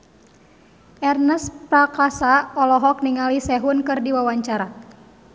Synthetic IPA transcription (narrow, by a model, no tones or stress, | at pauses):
ʔɛrnɛspɾakasaɔlɔɦɔk̚niŋalisɛɦunkɨrdiwawaɲt͡ʃaɾa